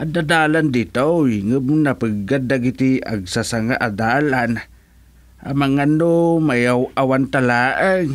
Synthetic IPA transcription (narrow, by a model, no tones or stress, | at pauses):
ʔadadaland̪it̪awjŋəbnapəɡadaɡit̪ia̰ɡsasaŋaʔadaːlan | ʔamaŋanːomajawʔawant̪alaːʔəŋ